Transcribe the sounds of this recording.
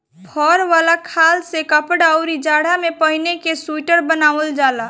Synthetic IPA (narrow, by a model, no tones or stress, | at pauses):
pʰɔːɾʋaːlakʰaːlsekəpəɽaʊɾid͡ʒaːɽamẽpəɦɪnekesuʈəɾbənaːʋəld͡ʒaːlaː